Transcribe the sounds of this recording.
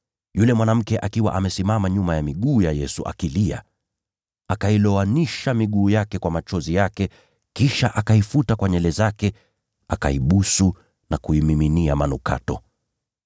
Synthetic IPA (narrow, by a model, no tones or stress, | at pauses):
julɛmwanam̩kɛʔakiwa̰ʔamɛsimamaɲumajamiɠuːjajɛsuʔa̰kilia̰ | akailɔaniʃamiɠuːjakɛkwamat͡ʃɔzijakɛ | kiʃaʔakaifutakwaɲɛlɛzakɛ | aka̰iɓusu | nakuimiminiamanuka̰tɔ